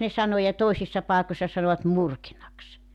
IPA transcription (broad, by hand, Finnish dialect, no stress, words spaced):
ne sɑno jɑ toisisːɑ pɑˑekosːɑ sɑnoʋɑt murkinɑks